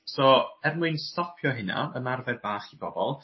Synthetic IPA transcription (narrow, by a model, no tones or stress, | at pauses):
sɔːɛrmuɨnstɔpʰjɔɦɪna̰əmarvɛrbaːχib̥ɔbɔlˠ